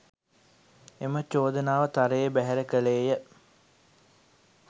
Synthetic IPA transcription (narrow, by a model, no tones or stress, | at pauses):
emət͡ʃoːd̪ənaːʋət̪aɾəjəbæɦɛɾəkəleːjə